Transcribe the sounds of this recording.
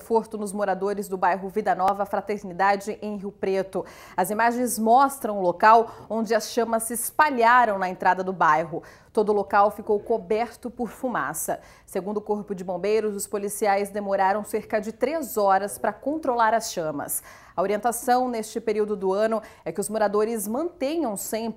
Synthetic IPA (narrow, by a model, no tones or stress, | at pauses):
foɾt̪ʊnʊzmoɾad̪oɾɪzd̪ʊbajɦʊvid̪ɐnɔvɐfɾat̪eɾnid̪ad͡ʒɪʔẽj̃ɦiwpɾet̪ʊ | ɐzimaʒẽj̃zmɔst̪ɾɐ̃w̃ʊlokawõd͡ʒɪɐsʃɐ̃mɐsːɪspaʎaɾɐ̃w̃nɐẽnt̪ɾad̪ɐd̪ʊbajɦʊ | t̪od̪ʊlokawfikowkobɛɾt̪ʊpʊɾfuma̰sɐ | seɡũnd̪ʊkoɾpʊd͡ʒɪbõbejɾʊzʊspolisiajzd̪emoɾaɾɐ̃w̃seɾkɐd͡ʒɪt̪ɾezɔɾɐspɾɐkõnt̪ɾolaɾɐsʃɐ̃mɐ̰s | ɐoɾiẽnt̪asɐ̃w̃nest͡ʃɪpeɾiwd̪ʊd̪ʊɐ̃nʊɛkɪʊzmoɾad̪oɾɪzmɐ̃nt̪ẽɲɐ̃w̃sẽp